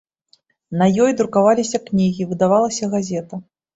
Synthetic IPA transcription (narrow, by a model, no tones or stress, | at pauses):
nɐjɔjd̪ɾukavalʲisʲɐknʲiɣʲivɨd̪avalˠɐsʲɐɣazʲɛt̪ɐ